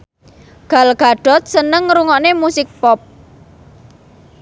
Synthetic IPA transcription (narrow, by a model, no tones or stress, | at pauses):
ɡ̥a̤lɡ̥a̤ɖ̥ɔ̤t̪̚sənəŋɾuŋɔnemusɪk̚pɔp̚